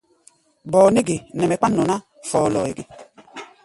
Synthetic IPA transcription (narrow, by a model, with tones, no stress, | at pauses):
bɔ˨ne˦ɡe˨nɛ˨mɛ˨k͡pa˦nːɔ˨na˦ | fɔː˨lɔ̰ː˨ḛ˨ɡe˨